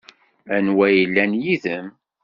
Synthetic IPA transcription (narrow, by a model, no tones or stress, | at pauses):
ænwæjəlːænjiðəm